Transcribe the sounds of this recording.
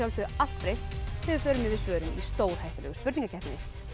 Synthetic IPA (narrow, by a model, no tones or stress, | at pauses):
awlsʏal̥t̪fɾejst̪hɛvʏfœːɾʏnmːɛvɪsvœːɾʏnist̪oːwɾ̥hajht̪alɛ̰ɣʏspʏɾt̪ĩŋkacʰɛhp̪iɲɪ